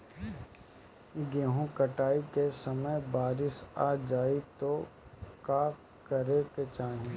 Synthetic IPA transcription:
ɡeːɦũkəʈaːikesəməjbaːɾɪʃaːd͡ʒaːit̪okaː | kəɾeket͡ʃaːɦẽː

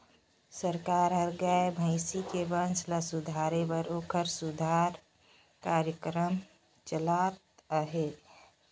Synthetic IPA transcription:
səɾkaɾɦəɾɡaebʱəɪsikebə̃nt͡ʃʰləsud̪ʱaɾebəɾoːkəɾsud̪ʱaɾ | kaɾjəkɾəm | t͡ʃəlat̪̚əɦe

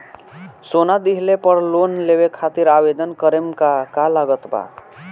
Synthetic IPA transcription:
sonad̪iɦlepəɾlonlebekʰat̪iɾabed̪ənkəɾemkakalaɡət̪ba̰

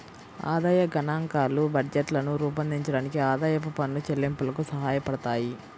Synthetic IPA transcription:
a̰ːd̪aːjɐɡɐnaːŋkaːlubɐɖd͡ʒeʈlɐnuɾuːpɐnd̪iɲt͡ʃɐɽaːnikiaːd̪aːjɐpupɐnːut͡ʃelːimpulɐkusɐɦaːjɐpɐɽɐt̪aːji

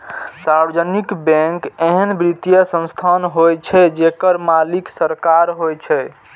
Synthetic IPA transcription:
saɾbəd͡ʒənikbɛ̃ŋkeɦənbɾit̪ijəsə̃st̪ʰanɦojt͡ʃʰɛd͡ʒekəɾmaliksəɾkaɾɦojt͡ʃʰɛ

